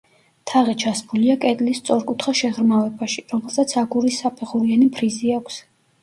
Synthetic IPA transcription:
t̪ʰaʁɛt͡ʃʰasbuliakʼɛt̪ʼlist̪sʼɔɾkʼut̪ʰχaʃɛʁɾmavɛbaʃiɾɔmɛlˠsat̪sʰaɡuɾisapʰɛχuɾianipʰɾiziakʷʰs

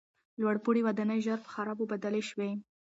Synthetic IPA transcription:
lwaɽpuɽiwad̪anəjʒaɾpə̥xaɾɑbobad̪aleʃwe

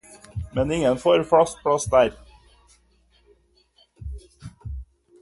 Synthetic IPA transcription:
mɛnɪŋənfoːɾfɽɑst̪̚pʰɽɑsd̪æːɾ

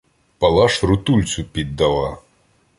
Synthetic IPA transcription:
pɐlˠɑʃɾʊt̪ulʲt͡sʲʊpʲid̪ːɐlˠɑ

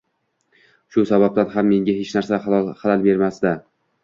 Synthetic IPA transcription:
ʃʊsabab̚t̪anɦamːe̞ŋʲaɦet͡ʃnaɾsalɒlχalalbe̞ɾmasd̪a

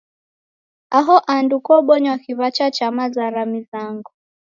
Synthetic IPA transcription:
aɦɔʔandukɔɓɔɲwakiβat͡ʃat͡ʃamazaɾamizaŋɡu

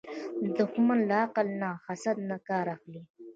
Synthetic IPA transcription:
d̪ʊxmanlaaqalnaxasad̪nakɑːɾaxli

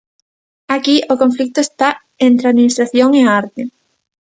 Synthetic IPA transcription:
akiʔokoɱflik̚t̪oest̪a | ent̪ɾeaðminist̪ɾaθjoŋeaɾt̪ɪ

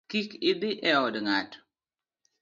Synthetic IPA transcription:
kikɪd̪ɪʔɛɔdŋat

